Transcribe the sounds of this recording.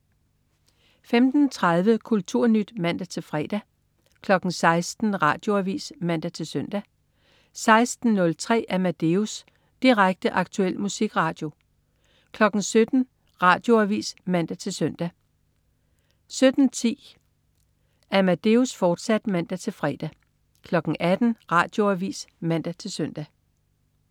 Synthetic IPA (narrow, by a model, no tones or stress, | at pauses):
femd̥n̩t͡sʰʁɑðˠʋəkʰult͡sʰuɐ̰nyd̥mæn̰d̥æt͡sʰe̝lfʁɛ̰ːd̥æ | kʰlɒ̽ɡ̥n̩sɑ̈ɪsd̥n̩ʁɑ̈ːd̥jo̝æʋḭːsmæn̰d̥æt͡sʰe̝lsøn̰d̥æ | sɑ̈ɪsd̥n̩nɔ̽lt͡sʰʁɛ̰ːʔæmæd̥e̝us | d̥iʁaɡ̥̚d̥əʔɑ̈ɡ̥̚t͡sʰuel̰musiɡ̥ʁɑ̈ːd̥jo̝ | kʰlɒ̽ɡ̥n̩sød̥n̩ | ʁɑ̈ːd̥jo̝æʋḭːsmæn̰d̥æt͡sʰe̝lsøn̰d̥æ | sød̥n̩t͡sʰḭː | æmæd̥e̝usfɒːd̥sæd̥mæn̰d̥æt͡sʰe̝lfʁɛd̥æ | kʰlɒ̽ɡ̥ŋ̩ʔæd̥n̩ʁɑ̈ːd̥jo̝æʋḭːsmæn̰d̥æt͡sʰe̝lsøn̰d̥æ